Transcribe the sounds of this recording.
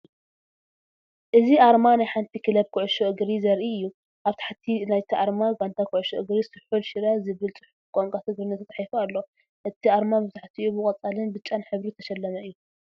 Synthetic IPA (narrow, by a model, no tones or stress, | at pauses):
ʔɨziʔaɾmanajħant̪ʰikʰɨlɐb̚kʰuʕʊʃoʔɨɡɾizɐɾʔijːu | ʔaβt̪ʰḁħt̪ʰinajt̪ʰiʔaɾmaɡant̪ʰakʰʊʕʊʃoʔɨɡɾisɨħulʃɨɾazɨβɨlt͡sʼɨħukʼoŋkʼat̪ʰɨɡɾɨnːɐt̪ʰɐt̪ʼaħjfualːo̞ | ʔɨt̪ʰiaɾmabɨzaħt̪ʰiʔubɨkʼɐt͡sʼalɨnbɨt͡ʃʼanħɨβɾit̪ʰɐʃɐlːɐmɐɨjːuu